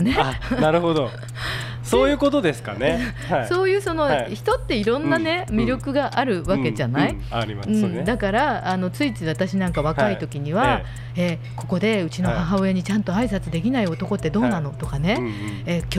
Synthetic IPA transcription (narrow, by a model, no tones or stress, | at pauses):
ne̞anaɾɯ̟hod̪o | soːjɯ̟ːko̞t̪o̞d̪e̞sɨ̥ka̰ne | so̞ːjɯ̟ːso̞no̞çi̥t̪o̞t̪ːe̞iɾõ̞nːane̞mʲiɾʲjo̞kɯ̟ɡaʔaɾɯ̟βake̞d͡ʑanai | aiɯ̟̃ɴd̪akaɾaːno̞t͡sɨit͡sɨβat̪aɕinãŋkaβakait̪o̞kʲiɲ̟iβa | e | ko̞ko̞d̪e̞ɯ̟t͡ɕino̞haɦaoeɲ̟it͡ɕãnt̪o̞aisat͡sɨd̪e̞kʲinaio̞t̪o̞ko̞t̪ːe̞d̪o̞ːnano̞t̪o̞kane̞ekʲ